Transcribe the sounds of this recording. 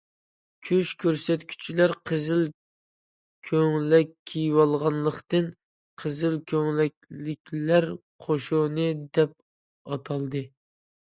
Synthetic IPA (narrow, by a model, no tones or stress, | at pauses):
kʲʰyʃkʲʰøɾsɛt̪kʲʰy̥t͡ʃʰilæɾqʰəzɪl | kʲʰøŋlɛkʲʰːijwɑlˠʁɑnlˠəχt̪ɨn | qʰəzɪlkʲʰøŋlɛk̚ʲlɪkʲlæɾ | qʰoʃunɨd̪ɛp̚ | ɑt̪ʰɑlˠd̪ɨ